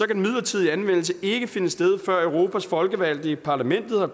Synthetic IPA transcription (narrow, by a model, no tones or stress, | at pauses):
ɒ̽kæmið̞̰ˠlɐt͡sʰið̞̰ˠiænʋen̰l̩s̬əe̝ɡ̥əfe̝nəsd̥eð̞ˠfɶɐ̰œʊʁo̝ːpʰæsfɒ̽lɡ̥əʋæl̰d̥ipʰɑ̈ːlæmen̰d̥ð̞̩ˠɒ